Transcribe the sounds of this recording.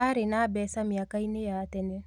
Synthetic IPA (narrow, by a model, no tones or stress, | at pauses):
aɾenaːbɛsamiakainejatɛne